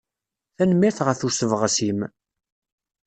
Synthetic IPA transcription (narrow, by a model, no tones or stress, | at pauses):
θænəmiɾθʁəθusəvʁəsim